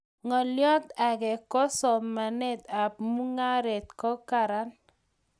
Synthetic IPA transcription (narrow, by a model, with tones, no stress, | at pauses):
ŋɔ˨ljɔ˦t̪a˨ɡɛ˨kɔ˦sɔ˨mːa˨nɛ˦t̪a˨pmu˦ŋa˦ɾɛ˨t̪̚kɔ˦ka˨ɾa˨˦n